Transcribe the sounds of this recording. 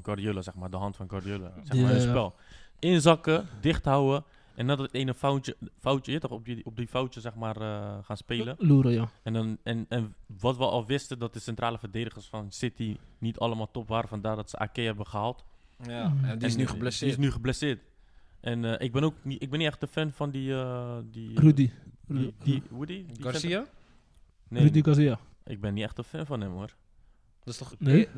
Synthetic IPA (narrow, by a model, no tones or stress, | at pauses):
nkɔɹdiolasɛχmaːɹdəɦɑntfɑnkɔɹdiolasɛmmaəspɛlˠɪnzɑkədɪχtɦawə | ʔɛnːɛtdɔttenəfawtəfawtəjətɔχɔp̚diɔp̚difawtəsɛχmaːɹəχaːnspeːləluɾəjɛndɔnɛnɛnʋɑtʋəʔɑ̰lˠʋɪstədɔt̚dəsɛntraːləfəɹdeːdəχəɹsfɑnsɪtinitʰɑləmaːlˠtɔpʋaːɾəfɑndaːɹdɑtsəʔa̰ːkejɦɛbəχəɦalˠt | adiɪsnyχblɛsiɪs̬nyχəblɛsɪːɹt | ʔɛnʔɪɡ̚bɛnoːkniɪɡ̚bɛnːiɛχtəfɛnfɑndiədirudi | diudiɡsia | nediɡsia | ʔɪ̰ɡ̚bɛnːitɛχtəfɛnfɑnɦɛmʊːɹ | dn